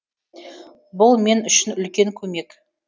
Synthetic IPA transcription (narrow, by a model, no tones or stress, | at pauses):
bʊlˠme̞nʏʃɪnʏlkʲe̞ŋkʲʰɵme̞k